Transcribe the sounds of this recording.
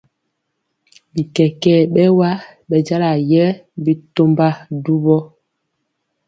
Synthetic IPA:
bi˨kɛ˨kɛ˦˨ɓɛ˦wa˦ɓɛ˨d͡ʒa˦la˨jɛ˦bi˦to˦mba˦du˦bɔ˦

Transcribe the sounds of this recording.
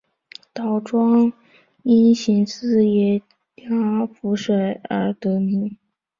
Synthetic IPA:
t̪ɑ˨˩ʊʈ͡ʂwɑ˥ŋ | i˥nɕi˧˥ŋsɹ̩˥˩jɛ˧˩ | tja˥fu˧˥ʂwe˨˩ɪə˞˧˥t̪ɤ˧˥nu˧˥˦

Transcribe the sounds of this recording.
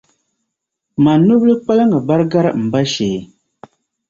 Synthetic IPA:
ma˨nu˦blɨ˦k͡pa˦la˦ŋɡa˨ba˦ɾɡa˦ɾm̩˨ba˦ʃe˨

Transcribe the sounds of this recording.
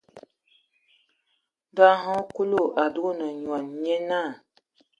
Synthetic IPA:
da˦ɦɔ̃˦ku˦lo˦˨ʔa˨du˦ɡo˦nə˨ɲwa˨n˨ɲɛ˦na˦˨

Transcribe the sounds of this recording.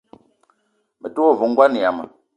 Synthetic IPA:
mə˨tu˦o˦˨vu˨ŋ˦ɡwa˦ni˨ja˨mə̰˨

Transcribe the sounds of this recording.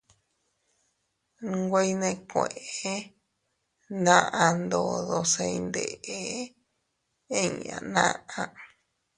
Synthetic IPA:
ɡʷe˦i˦˧nẽ˧kʷẽ˨ʔe˧ | nã˦ʔã˧nd̪o˧ðo˧se˧i˧nd̪ḛ˨ʔe˨˦ | ẽ˦ɲã̰˨nã̰˦ʔã˧

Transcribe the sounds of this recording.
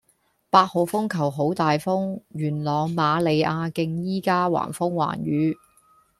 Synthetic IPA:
paː˧t̚ho˨˧wfʊ˥ŋkʰɐ˨˩wɦo˨˥wt̪aː˨jfʊ˥ŋɥyː˨˩nlɔː˨˧ŋmaː˨˧le˨˧jʔaː˧kɪ˧ŋjiː˥kaː˥wa̰ː˨˩nfʊ˥ŋwa̰ː˨˩nɥyː˨˧

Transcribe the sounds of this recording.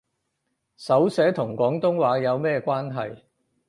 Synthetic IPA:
sɐ˨˥wsɛː˨˥t̪ʰʊ˨˩ŋkʷɔː˨˥ŋt̪ʊ˥ŋwaː˨˧jɐ˨˧wmɛː˥kʷaː˥nɦɐ̰˨j

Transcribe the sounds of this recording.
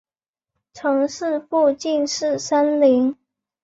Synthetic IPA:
ʈ͡ʂʰɤ˧˥ŋʂɻ̩˥˧pu˥˧t͡ɕi˥˧nʂɻ̩˥˩ʂə˥nli˧˥ŋ

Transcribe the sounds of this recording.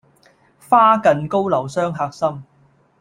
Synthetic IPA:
faː˥kɐ˨nko˥wlɐ˨˩wsœː˥ŋɦaː˧k̚sɐ˥m

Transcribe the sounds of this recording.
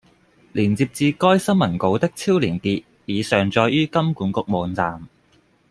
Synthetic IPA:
liː˨˩nt͡si˧p̚t͡siː˧kɔː˥jsɐ˥nmɐ˨˩nko˨˥wt̪ɪ˥k̚t͡sʰiː˥wliː˨˩nkiː˧t̚ | jiː˨˧sœː˨˩ŋt͡ʃɔː˧jjyː˥kɐ˥mkuː˨˥nkʊ˧k̚mɔː˨˧nt͡saː˨m

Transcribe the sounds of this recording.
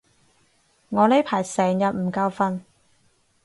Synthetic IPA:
ŋɔː˨˧le˨˥pʰaː˨˩jsɛː˨˩ŋjɐ˨t̚m̩˨˩ka˧wfɐ˧n

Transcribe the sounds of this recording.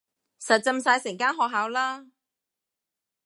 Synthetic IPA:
sɐ˨t̚t͡sɐ˧msaː˧jsɛː˨˩ŋkaː˥nɦɔː˨k̚ɦaː˨˥wlaː˥

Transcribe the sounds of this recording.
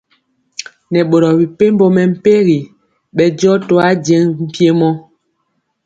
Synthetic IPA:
nɛ˨ɓo˨ɾɔ˨bi˨pe˦m˦bo˦mɛ˨m̩˦pe˦ɣi˨ | ɓɛ˨d͡ʒɔ˦to˦a˦d͡ʒɛ˦ŋm̩˨pje˦mɔ˦

